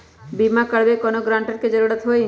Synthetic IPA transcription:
bimakəɽbekɔnoɡɾãɳʈəɾked͡ʒəɾuɽət̪ɦoj

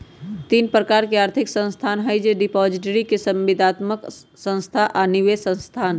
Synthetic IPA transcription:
t̪iːnpɾəkaːɾkeaːɾt̪ʰɪksə̃nst̪ʰaːnɦəjd͡ʒeɖɪpɔːd͡ʒɪʈəɾikesɐ̃mʋɪd̪ʱaːt̪mək | sə̃nst̪ʰaʔanɪʋeːsə̃nst̪ʰaːn

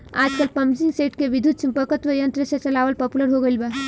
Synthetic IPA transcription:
a̰ːd͡ʒkəlpɐmd͡ʒiŋɡseʈkeʋid̪ʱut̪̚t͡ʃʰĩmpəkət̪ʋəjə̃nt̪ɾəsat͡ʃɐlaːʋəlpəpuləɾɦoɡəilba

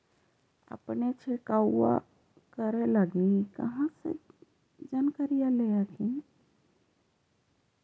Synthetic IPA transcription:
ə̰pnet͡ʃʰɪkaːa̰ | kəɾeləɡikə̰ɦãsḛ | d͡ʒaːnkəɾijaleakĩ

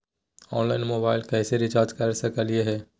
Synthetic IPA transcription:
ɔːnlaːɪnmoːbaːɪlkɛːseɾɪt͡ʃaːɾd͡ʒkɐɾsɐkəlijeɦɛː

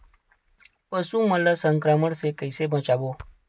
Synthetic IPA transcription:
pəsũmələsəŋkɾaməɽsekəjsebʱə̃t͡ʃabo

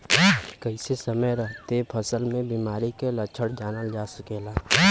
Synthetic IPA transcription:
kəɪsesəməjɾəɦt̪epʰəsəlmẽbiːmaːɾikelət͡ʃʰəɽd͡ʒaːnəd͡ʒaːsəkeːlaː

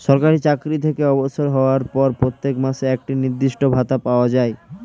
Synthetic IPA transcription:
ʃɔɾkaɾit͡ɕakɾit̪ʰekeɔboʃoɾɦɔoaɾpɔɾpɾot̪ːekmaʃeɛk̚ʈiniɾd̪iʃʈobʱat̪apaoad͡ʑae

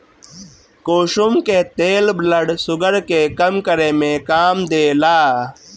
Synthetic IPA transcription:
koːʃumket̪eːlbʱlɐɽsʊɡəɾkeːkɐmkɐɾẽmẽkaːmd̪eːlaː

